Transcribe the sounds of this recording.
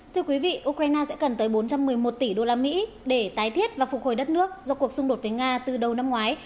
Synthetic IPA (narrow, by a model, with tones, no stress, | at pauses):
t̪ʰɨ˧əkwi˨˦vḭ˧˨ʔu˧kɾaː˧jnaː˧sɛ̰˧˥kə˨˩nt̪əː˨˦jɓo˨˦nt͡ɕa˧mːɨ˨˩əjmo˨˩t̚t̪i˧˩ɗo˧laː˧mḭ˧˥ | ɗe˧˩t̪aː˨˦jt̪ʰi˦˥ət̚vaː˨˩fʊ˨˩k̚ho˨˩jɗə˦˥t̚nɨ˦˥ək̚zɔ˧ku˨˩əksʊ˧ŋ͡mɗo˨˩t̚vəː˨˦jŋaː˧t̪ɨ˨˩ɗə˨˩wna˧mŋwaː˨˦j